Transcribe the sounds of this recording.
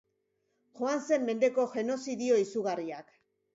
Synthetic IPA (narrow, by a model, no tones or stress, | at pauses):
ʝo̞anse̞mːe̞nd̪e̞ko̞ʝe̞no̞siðio̞isuɣariak